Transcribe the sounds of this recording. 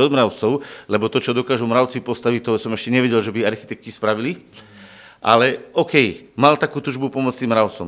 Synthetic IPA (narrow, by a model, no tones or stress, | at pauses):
ɔd̪mɾaʊt͡sɔʊlɛbɔt̪ɔt͡ʃɔd̪ɔkaːʒumɾaʊt͡sipɔst̪aʋic̚t̪ɔsɔmɛʃcɛɲɛʋɛɟɛlʒɛbiaɾxi̥t̪ɛk̚cispɾaʋili | ʔa̰lɛɔkɛj | malt̪akuːt̪uːʒbupɔmɔt͡st̪imɾaʊt͡sɔm